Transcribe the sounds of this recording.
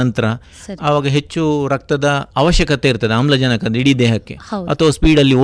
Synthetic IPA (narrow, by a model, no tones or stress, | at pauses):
ɐnt̪ɐɾɐ | ɐʋaːɡɐɦe̞t͡ʃːuɾɐk̚t̪ɐd̪ɐaːʋɐʃjɐkɐt̪eiɾt̪ɐd̪eamlɐd͡ʒɐnɐkɐd̪iɽid̪eːɦɐkːe̞̰ɐ̰t̪ʰːɐʋɐspiːɖɐlːio